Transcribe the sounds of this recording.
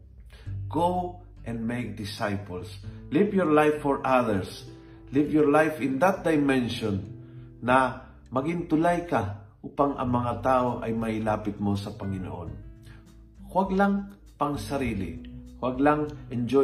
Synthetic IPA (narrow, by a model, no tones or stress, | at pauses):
ɡ̥ow | ʔɛ̃nd̪mejk̚d̪ɪsajpolslivjɔɹlajfːɔɹʔaðɛɹs | livjɔɹlajfɪ̃nd̪at̪̚d̪ajmɛ̃nʃɔ̃nː | ɐ | mɐɡɪŋt̪ʊlajkaʔuːpaŋɐ̰ŋmɐŋat̪aːʔoʔɐjmɐɪlaːpɪt̪̚mo̞sɐpɐŋɪno̰ʔo̰n | hwaɡlaŋ | pɐŋsɐɾiːlɪ̰hwaɡlaŋʔɛnd͡ʒo